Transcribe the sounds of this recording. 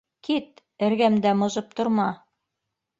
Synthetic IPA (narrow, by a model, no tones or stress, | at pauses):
kit̪ | ɘ̆ɾɡæmd̪æmŏzɤp̚t̪ŏɾmɑ